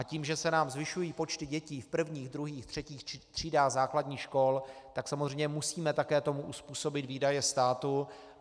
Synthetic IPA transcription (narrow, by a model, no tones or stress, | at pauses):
ʔaciːmʒɛsɛnaːmzvɪʃujiːpo̞t͡ʃt̪ɪɟɛciːfpr̩vɲiːɣd̪ɾuɦiːxt̪r̥ɛciːxt̪r̝̥iːdaːɣzaːkladɲiːxʃko̞lt̪aksamozrɛjɲɛmusiːmɛt̪akɛːt̪o̞muʔuspuːso̞bɪt̪viːdajɛst̪aːt̪u